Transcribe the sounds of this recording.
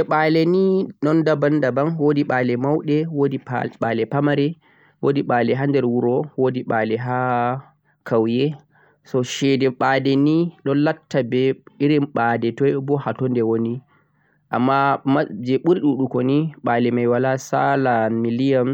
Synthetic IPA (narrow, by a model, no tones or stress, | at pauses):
d͡ʒɛɓalɛniɗɔndabandabanwodiɓaːlɛmawɗɛwodiɓaːlɛpamaɾɛ | wodiɓaːlɛɦandɛɾwuɾɔwodiɓalɛɦa | kʰawjɛ | sɔʃɛdɛɓadɛniɗɔnlatːabɛiɾimɓadɛtɔjbɔhatɔndɛwoni | ʔa̰mːamad͡ʒɛɓuɾiɗuɗukɔniɓaːlɛmajwalasalamilijam